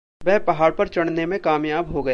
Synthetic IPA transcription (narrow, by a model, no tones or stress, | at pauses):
ʋɛɦpɐɦaːɽpɐɾt͡ʃɐɽnemẽkaːmjaːbɦoɡɐe